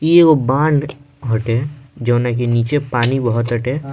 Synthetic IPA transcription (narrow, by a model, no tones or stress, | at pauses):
jeobãːɳɖ | ɦɐʈed͡ʒɐːnak̬eniːt͡ʃepaːnibəɦɔt̪ɦəʈeː